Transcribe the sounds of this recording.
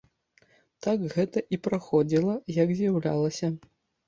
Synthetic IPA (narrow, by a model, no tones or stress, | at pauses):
t̪akɣɛt̪ɐʔipɾaxɔd͡zʲilˠɐjɐkzʲjawlʲa̰lˠɐsʲɐ